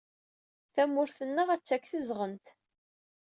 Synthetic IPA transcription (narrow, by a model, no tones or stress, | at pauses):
θæmːʊɾθənːəʁæt͡sːækːθəzʁənt̪